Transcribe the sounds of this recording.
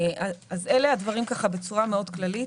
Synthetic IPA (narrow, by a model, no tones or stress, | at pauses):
ʔaazeleadvaʁimkaχabe̞t͡suʁameo̞d̪klalit